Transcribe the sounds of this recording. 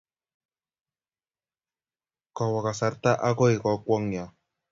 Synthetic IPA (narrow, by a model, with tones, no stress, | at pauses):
kɔ˨wa˨ka˨sa˨˦ɾt̪a˦ʔa˦ko˦i˨kɔ˨kʷɔ˦ŋja˨